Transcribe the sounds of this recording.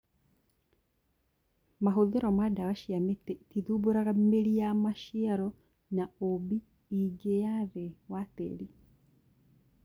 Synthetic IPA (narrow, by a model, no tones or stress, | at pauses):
maɦoðeɾɔmadawaʃiametɛtiðuboɾaɣameɾijamaʃiaɾɔ | naobi | iɡejaðewatḛɾi